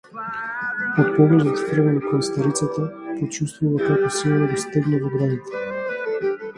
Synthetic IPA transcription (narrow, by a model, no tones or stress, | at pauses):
ɔt̪pɔvɔzɔt̪t̪ɾvɛnikɔnst̪aɾit̪sat̪apot͡ʃust̪vuvakakɔsilˠnɔɡɔst̪ɛɡnɛvɔɡɾanit̪ɛ̥